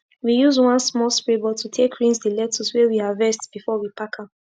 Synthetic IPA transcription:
wijuzwãnsmɔlspɹebɔtʰutʰekʰɹĩnsdilɛtʰuswɛwihavɛstb̥ifɔwipʰakʰap

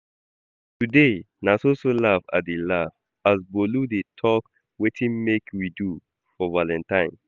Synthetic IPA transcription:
tude | nasosolafa̰delav | asboludetʰɔk | wetʰĩnmekwidu | fɔvalɛ̃ntãɪ̃n

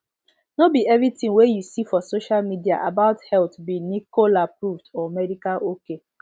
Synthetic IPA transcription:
nobiɛvɹitĩŋwejusifɔsoʃalmidia̰ʔabaʊthɛltbinikolapɹuvdɔmɛdikalʔoke

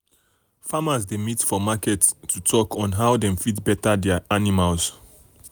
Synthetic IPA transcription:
famazdemitfɔmakɛtːʰutʰɔkɔ̃nɦawdɛ̃mfitbɛtadɛaanimals

